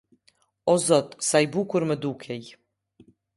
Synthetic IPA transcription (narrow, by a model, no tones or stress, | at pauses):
ɔzɔt̪sajbukuɾmɛd̪ukʰɛj